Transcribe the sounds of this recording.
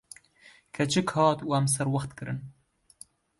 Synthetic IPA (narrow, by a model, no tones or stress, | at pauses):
kʰɐt͡ʃʰɨkʰhɑːt̪uːæms̬ɛɾwɐxt̪kɨɾɨn